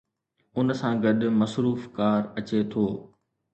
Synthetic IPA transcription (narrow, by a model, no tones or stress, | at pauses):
ʊnsãɡɐɗ̆mɐsɾuːfkaːɾɐt͡ɕet̪ʰoː